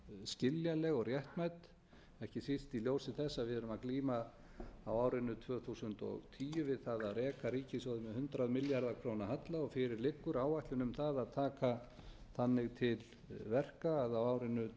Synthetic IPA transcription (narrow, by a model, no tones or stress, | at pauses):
scɪljalɛɣɔrjɛht̪majt̪ | ɛhcɪsist̪iljowsɪθɛsːaðvɪðɛɾʏmakliːma | awaːwɾɪnːʏt̪ʰvœːθusʏnt̪ɔ̰ɣt̪ʰiːjʏvɪðθaðaðrɛːkaɾiːcɪsɔðɪmɛhʏnt̪ɾaðmɪljaɾðakʰɾownaɦat̪laɔfɪɾɪɾlɪkːʏɾaːwajht̪lʏnʏmθaðaðt̪ʰaːka | θanːɪɣt̪ʰɪl | vɛr̥kaːðawaːwɾɪnːʏ